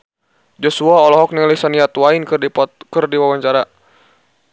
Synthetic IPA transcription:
d͡ʒɔsuaɔlɔɦɔk̚nilisaniat̪wainkdipkɨrdiwawaɲt͡ʃaɾa

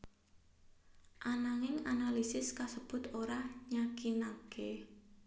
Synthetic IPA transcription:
ʔanaŋɪŋanalisɪskasəb̥ʊ̤t̪oɾahɲakinake

